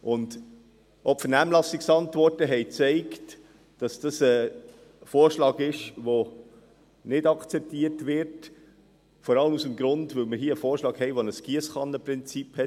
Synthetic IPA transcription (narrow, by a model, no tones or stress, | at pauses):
ʔʊnd | ʔɔpfənæːmlɑsːiksɑntʋɔrtəɦɛɪt͡sɛɪkt | d̥ɑsd̥ɑsə | foːrʃlɑːɡɪʃʋo | nɪdɑkt͡sɛp̚tiətʋɪɾt | fɔɾɑləmusəmɡɾʊndʋɵlməɾɦiːəəfoːɾʃlɑːkhɛɪʋonəskiəsχɑnːəprɪnt͡siphɛt